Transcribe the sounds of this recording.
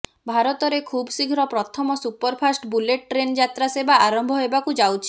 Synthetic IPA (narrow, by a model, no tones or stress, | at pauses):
bʱaɾɔt̪ɔɾekʰubsiɡʱɾɔpɾɔt̪ʰɔmɔsupɔɾpʰasʈbuleʈ̚ʈɾend͡ʒat̪ɾasebaaɾɔmbʱɔɦebakud͡ʒawt͡ʃʰi